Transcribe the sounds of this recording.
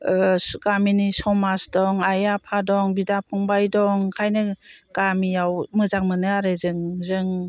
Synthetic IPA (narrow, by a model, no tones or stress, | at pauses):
ɡaminisɔmasdɔŋajapʰadɔŋbidapʰɔŋbajdɔŋkʰajnɯɡamijawmɯzak̚mɯnɯaɾɯzɯŋzɯŋ